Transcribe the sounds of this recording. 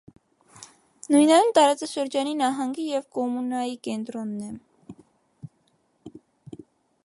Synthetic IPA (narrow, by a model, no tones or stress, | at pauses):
nujnɑjunt̪ɑɾɑt͡sɑʃəɾd͡ʒɑninɑɦɑŋɡijɛvkɔmunɑjikɛnt̪ɾɔnːɛ